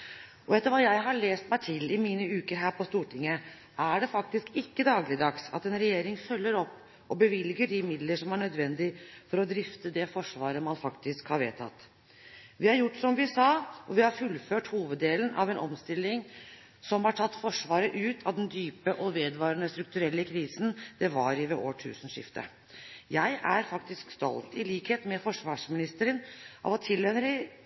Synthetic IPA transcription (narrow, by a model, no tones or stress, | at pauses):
ʔɔɛt̪ːəɾʋɑːjæɪɦɑɭeːst̪mæɪt̪ʰɪlːɪmiːnəʉːkəɾɦæːɾpʰɔst̪uːʈʰɪŋːə | ʔæɖɛfɑk̚t̪ɪskɪkːəd̪ɑːɡlɪd̪ɑksɑ̰t̪ɛnɾɛjeːɾɪŋfœlːəɾɔpː | ɔbəʋɪlɡəɖɪmɪd̪ləʂɔmæɳœd̪ʋɛnd̪ɪfɔɾɔd̪ɾɪft̪əd̪ɛfɔʂʋɑːɾəmɑnfɑkt̪ɪskhɑɾʋḛːt̪ʰɑ̰t̪ː | ʋɪhɑɾjʊʈːsɔmʋɪsɑːʔɔʋɪhɑɾfʉlføːʈhuːʋəd̪ːeːlənʔɑ̰ʋɛnʔɔmst̪ɪlːɪŋ | sɔmhɑʈʰɑt̪ːfɔʂʋɑːɾəʔʉːt̪ʰɑʋd̪ɛnd̪yːpəʔɔʋeːd̪ʋɑːɾənəst̪ɾʉk̚t̪ʉɾɛlːəkʰɾiːsən̩d̪̥ɛʋɑɾɪʋɛʔo̰ːʈʰʉ̰ːsən̩ʂɪ̰ft̪ə̰ | jæɪʔæɾfɑkt̪ɪskst̪ɔ̰lt̪ɪliːkheːt̪mɛfɔʂʋɑːʂmɪnɪst̪əɾənʔɑ̰ʋɔt̪ʰɪlːɛnɾɪ